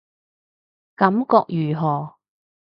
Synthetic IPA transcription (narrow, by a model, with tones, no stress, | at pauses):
kɐ˨˥mkɔː˧k̚jyː˨˩ɦɔː˨˩